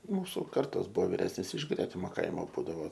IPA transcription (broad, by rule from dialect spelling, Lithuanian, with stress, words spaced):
ˈmuːsʊ ˈkɐrtoːs ˈbʊʋoː ʋʲɪˈrʲæːsʲnʲeːs ɪʃ ˈɡrʲæːtʲɪmoː ˈkɐɪmoː ˈbuːdɐʋoː